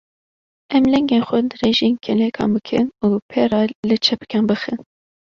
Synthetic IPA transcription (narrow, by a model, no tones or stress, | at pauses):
ʔɛmlɛŋɡenxʷɛd̪reːʒeːnkʰɛlɛkʰɑ̰ːmbɨkʰɨ̰nuːpʰɛɾɑːlɨt͡ʃʰɛpɨ̥kʰʲɛnbɨxɨn